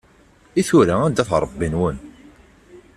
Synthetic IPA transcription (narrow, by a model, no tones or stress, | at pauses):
iθuɾaænd̪æθɾˤəbːinwən